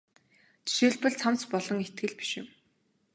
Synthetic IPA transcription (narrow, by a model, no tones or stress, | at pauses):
t͡ɕi̥ʃeːɮpɘ̆ɮt͡sʰam̥t͡spɔɮɞ̆ŋet̪ɡɘ̆ɮpi̥ʃɪ̆m